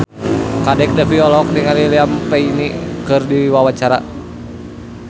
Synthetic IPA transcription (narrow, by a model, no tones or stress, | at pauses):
kadɛk̚dafiɔlɔk̚niŋaliliampɛinikɨrdiwawat͡ʃaɾa